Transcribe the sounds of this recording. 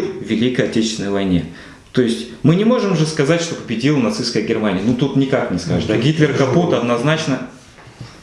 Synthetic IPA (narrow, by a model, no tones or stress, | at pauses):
vvʲɪlʲikəjɐtʲet͡ɕɪst̪ʲɪnəjvɐjnʲe | t̪o̞jɪsʲtʲmɨnʲɪmo̞ʐɨmʐɨskɐzatʲʂt̪o̞pəbʲɪdʲilˠnɐt̪sɨskəjəɡʲɪrmanʲɪjənut̪ut̪nʲɪkaknʲɪskaʐɨd̪aɡʲit̪lʲɪrkɐput̪ɐd̪nɐznat͡ɕnə